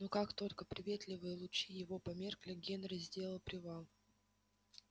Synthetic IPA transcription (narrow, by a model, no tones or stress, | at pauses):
nukakt̪o̞lʲkəpɾʲɪvʲet̪lʲɪvɨjəlˠʊt͡ɕijɪvo̞pɐmʲe̞rklʲɪɡʲenɾəzʲdʲe̞lˠpɾʲɪvalˠ